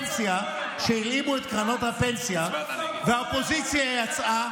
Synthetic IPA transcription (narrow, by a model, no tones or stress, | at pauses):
nsija | ʃeilimuet̪kʁano̞t̪hapensja | veaopo̞zit͡sjajat͡sʔa